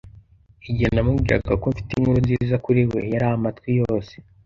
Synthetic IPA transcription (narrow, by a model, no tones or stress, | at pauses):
iɟinamuɡiɾa̰ɡakoɱfi̥tiŋhuɾuzizakuɾiwe̞jaɾaːhamatkwijo̞ːse̥